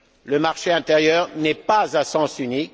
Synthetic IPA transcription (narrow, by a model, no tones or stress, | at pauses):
ləmaʁʃeɛ̃t̪eʁjœːʁnɛpazɛ̃sɑ̃synik